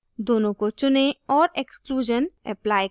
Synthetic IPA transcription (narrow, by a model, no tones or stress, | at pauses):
d̪oːnõkot͡ʃʊneɔːɾekskluːd͡ʒənɛ̰plaːj